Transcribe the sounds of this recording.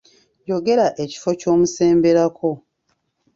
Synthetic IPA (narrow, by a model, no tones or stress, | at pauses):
jo̞ɡe̞ɾaʔe̞ci̥fo̞co̞ːmuse̞ːmbe̞ɾako̞